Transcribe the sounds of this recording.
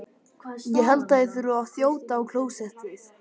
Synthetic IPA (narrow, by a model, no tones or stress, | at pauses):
jɛɦɛlt̪aɪθʏɾʏawθjoːwt̪aːwkʰl̥oːwsɛht̪ɪ